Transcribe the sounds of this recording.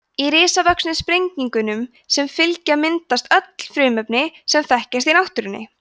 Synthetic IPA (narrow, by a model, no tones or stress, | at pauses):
iɾɪːsavœksnɪspɾejɲciŋkʏnʏm | sɛmfɪlcamɪnt̪ast̪œt̪l̥fɾʏːmœpnɪsɛmθɛhcɛst̪inawht̪ʏɾɪnːɪ̰